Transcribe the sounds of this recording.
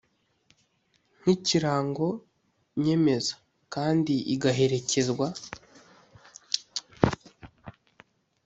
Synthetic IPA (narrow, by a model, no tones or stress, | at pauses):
n̥iciɾaːŋɡo̞ | ɲe̞me̞zḁ | kaːndiʔiɡaɦe̞ɾe̞ce̞zɡwa